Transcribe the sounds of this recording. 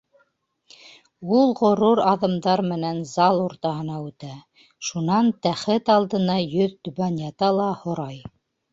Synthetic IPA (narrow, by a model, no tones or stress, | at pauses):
ulˠʁŏɾuɾɑðɤ̆md̪ɑɾmɘ̆nænzɑlˠuɾt̪ɑɦɤ̆nɑʉt̪æ | ʃunɑnt̪æχɘt̪ɑlˠd̪ɤ̆nɑjɵðt̪ɵ̆βænjɑt̪ɑlˠɑhŏɾɑj